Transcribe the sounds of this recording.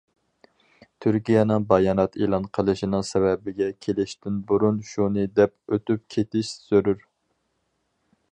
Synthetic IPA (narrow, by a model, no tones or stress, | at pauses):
t̪ʰyɾkʲijɛnɨŋbɑjɑnɑt̪ʰelˠɑnqʰəlˠɨʃinɨŋsɛvɛbɪɡʲɛkʲʰelɪʃt̪ɪnbuɾunʃunɨd̪ɛp̚øt̪yp̚kʲʰet̪ɪʃsøɾyɾ